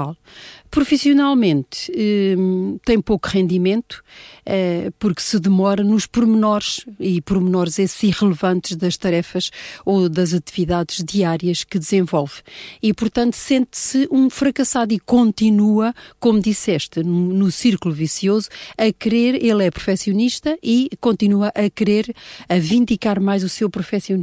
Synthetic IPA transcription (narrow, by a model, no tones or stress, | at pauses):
alˠ | pɾufisiunalˠmẽnt̪ɛt̪ɐ̃j̃pokuʁẽnd̪imẽnt̪u̥ɛpuɾksɨðɨmɔɾɐnuʃpuɾmɨnɔɾʃipɾumnɔɾzɐsiʁɨlˠɨvɐ̃nt̪ʒðɐʃt̪ɐɾɛfɐʃoðɐzɐt̪iviðaðʒ̥diaɾjɐʃkɨd̪ɨzẽvɔlˠvipuɾt̪ɐ̃nt̪u̥sẽnt̪sɨʔũfɾɐkɐsaðikõnt̪inuɐkomud̪isɛʃt̪ɨnunusiɾkulˠuvisiozuɐkɾeɾelˠɛpɾu̥fɛsijuniʃt̪ɐʔikõnt̪inuɐʔɐkɨɾeɾɐvĩnd̪ikaɾmajzusewpɾufɛsiuni